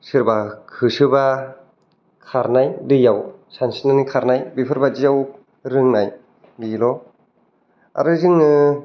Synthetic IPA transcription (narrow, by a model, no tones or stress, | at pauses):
sɯɾbakʰɯsɯba | kʰaɾnajdɯjawsansinɯnikʰaɾnajbipʰɯɾbad͡ʒijaw | ɾɯŋnaj | bilɔ | a̰ɾɯzɯŋnɯ